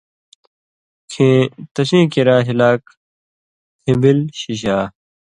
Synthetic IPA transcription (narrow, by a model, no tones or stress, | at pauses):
kʰẽt̪ɐɕẽːkiɾãːɦilaːk | kʰĩmbilɕiɕ̬aː